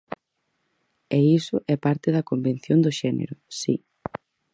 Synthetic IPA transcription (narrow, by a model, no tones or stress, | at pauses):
ɛisʊʔɛpaɾt̪eðɐkomben̟θjond̪ʊʃɛnḛɾʊsḭ